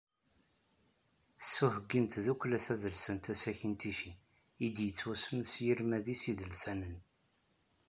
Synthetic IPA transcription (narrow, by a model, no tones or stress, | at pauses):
sːuhəɡːint̪ðukʷːlæθæðəlsənt̪æsæçint̪iʃi | id̪jət͡sːwæsəmsjiɾmæðisiðəlsænən